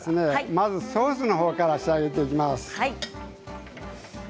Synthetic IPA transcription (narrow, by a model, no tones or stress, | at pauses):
sɨne̞mazɨso̞ːsɨno̞ɦo̞ːkaɾaɕiaɡe̞t̪̬e̞ikʲimasɨ̥